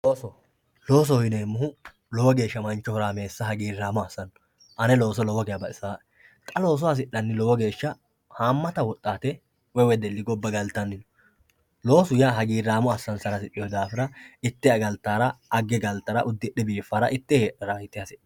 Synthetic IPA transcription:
lo̞ːs̬ɔhɪneːmːʊɦʊ | lɔwɔɡe̞ːʃːɐmɐnt͡ʃːɔhɔɾaːme̞ːsːɐɦɐɡiːrːaːmɔɐsːɐnː | ʔɐnɛlo̞ːs̬ɔlɔwɔɡɛjɐbɐɪsaːʔɛ | t̪ʼɐlo̞ːs̬ɔɐs̬ɪᶑːɐnːɪlɔwɔɡe̞ːʃːɐ | haːmːɐt̪ɐwɔt̪ʼːaːt̪ɛ | wɛwɛd̪ɛlːɪɡɔbːɐɡɐlt̪ːɐnːɪnɔ̥ | lo̞ːsʊjaːɦɐɡiːɾːaːmɔɐsːɐnsɐɾɐsɪɗːɪjɔd̪aːfɪɾɐɪt̪ːɛɐɡɐlt̪ːaːɾɐʔɐɡːɛɡɐlt̪ːɐɾɐʔʊd̪ːɪɗɛbiːfːɐɾɐʔɪt̪ːɛheːᶑɐɾɐɪt̪ːɪhɐsɪɐ

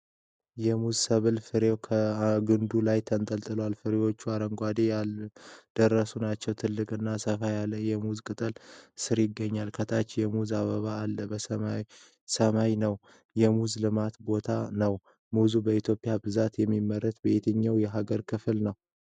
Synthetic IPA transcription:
jɛmuzsəβɨlfɨɾewkʰəɡɨnd̪ulajt̪ʰənt̪ʼəlt̪ʼɨləwalfɨɾewo̞t͡ʃːuaɾəŋɡʷad̪ejald̪̥ərːəsunat͡ʃːɛwt̪ʰɨlːɨkʼɨnːasəfajalːəjɛmuzkʼɨt̪ʼəlsɨɾjɪɡːəɲːalkʰət̪ʰat͡ʃːjɛmuzaβəβaːlːəbəsəa | səmajnəw | jɛmuzlɨmat̪bo̞t̪ʰanəw | muzubəit̪ʰjopʼɪjabɨzat̪jɛmːimːəɾət̪bəet̪ʰəɲːawjɛɦaɡəɾkʰɨfɨlnəw

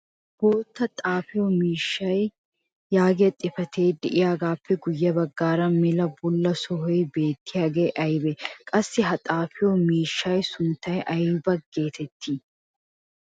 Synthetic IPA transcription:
b̥oːt̪ːɐt̪ʼaːfɪjɔmiːʃːɐj | jaːɡɪjɐt̪ʼːɪfɐt̪ʰe̞ːd̪ɛʔɪjaːɡaːpːɛɡʊjːɐbɐɡːaːɾɐmɪlɐbʊlːɐsɔɦɔjbe̞ːt̪ːɪjaːɡeːʔɐjbɛkʼɐsːɪɦɐt̪ʼaːfɪjomiːʃːɐjsʊnt̪ːɐjʔɐjbɐɡeːt̪ʰɛt̪ːiː

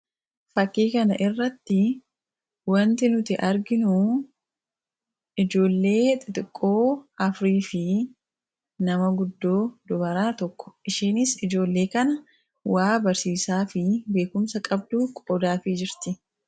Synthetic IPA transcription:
fɐkːiːkɐnɐ̰ʔɪrːɐt̪ːɪ | wɐnt̪ɪnʊt̪ɪʔɐɾɡɪnu | ɪd͡ʒo̞ːlːe̞ːt̪ʼɪt̪ʼɪkʼːo̞ːɐfɾiːfɪ | nɐmɐɡʊd̪ːo̞ːd̪ɔbɐɾaːt̪ɔkːɔ̥ʔɪʃiːnɪsɪd͡ʒo̞ːlːe̞ːkɐnɐ | waːbɐɾsiːsaːfɪbe̞ːkʊmsɐkʼɐb̚d̪uːkʼoːd̪aːfɪd͡ʒɪɾt̪ɪ

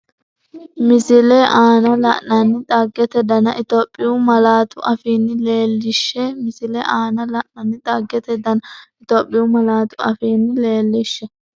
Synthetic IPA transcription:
mɪzɪlɛʔaːnɐlɐ̰ʔnɐnːɪt̪ʼɐɡːɛt̪ɛd̪ɐnɐʔɪt̪oːpʼːɪjʊmɐlaːt̪ʊʔɐfiːnːɪle̞ːlːɪʃːɛmɪsɪlɛʔaːnɐlɐʔnɐnːɪt̪ʼɐɡːɛt̪ɛd̪ɐnɐɪt̪oːpʼːɪjumɐlaːt̪ʊɐ̰fiːnːɪle̞ːlːɪʃːɛ

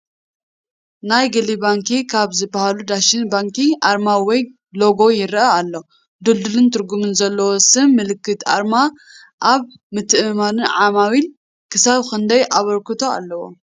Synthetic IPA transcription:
najɡɐlibaŋkikʰaβzɨbahalud̪aʃinbaŋkiʔaɾmawɔj | lo̞ɡo̞jɪɾʔɐalːo | d̪uld̪ɨlɨnt̪ʰɨɾɡumɨnzɐlːɐwosɨmːɨlɨkːɨt̪ʔa̰ɾma | ʔaβ | mɨt̪ʰːɨʔɨmanɨnʕamawil | kʰɨsaβxɨnd̪ɐjʔaβɐɾkɨt̪ʰo̞a̰lːɐwo̰

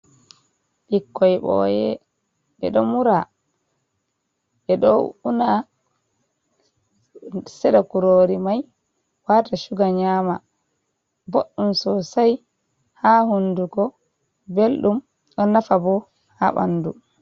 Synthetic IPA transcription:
ɓikːɔjɓɔ̰jɛ | ɛ̰ɗɔmuɾa | ʔɛɗɔuna | sɛɗakuɾoɾimaj | waːtaʃuɡaɲaːma | boɗːumsɔsaj | hahunduɡɔ | belɗum | ɗɔnafabɔ | ha̰ɓa̰nːdu

